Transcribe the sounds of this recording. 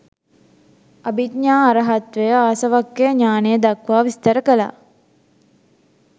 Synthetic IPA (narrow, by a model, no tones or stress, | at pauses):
ɐbit̪ɲaːɾɐɦɐt̪ʋejəaːsɐʋakːeɲaːnejəd̪ɐkʋaːʋist̪ɐɾəkəla̰ː